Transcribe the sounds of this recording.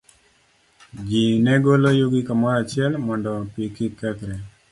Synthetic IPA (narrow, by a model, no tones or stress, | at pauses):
d͡ʒinɛɡolojuɡikamɔɾat͡ʃɪɛlmɔndɔpikikɛt̪ɾɛ